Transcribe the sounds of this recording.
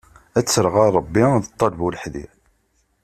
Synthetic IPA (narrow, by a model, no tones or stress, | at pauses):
æt͡sːəɾʁɑˤəbːiðət̪ˤːɑlvulħðḭ